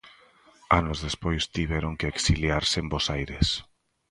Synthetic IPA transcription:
anozðespojst̪iβɛɾoŋkeeksiljaɾsembosajɾes

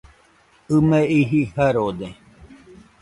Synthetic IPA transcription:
ɨmeiɦihaɾod̪e

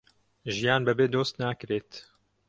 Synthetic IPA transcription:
ʒijaːnbɨbeːd̪oːst̪naːkɨɾeːt̪

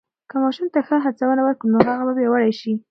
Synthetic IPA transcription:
kəmɑʃumt̪axəɦat͡sawənawəɾkunoɦaɣababjewəɽajʃi

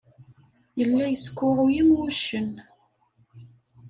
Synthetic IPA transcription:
jəlːæjəskʷːʊʁʊjimwuʃən

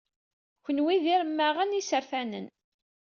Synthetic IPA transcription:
çənwiðiɾəmːaʁænisəɾfænə̰n

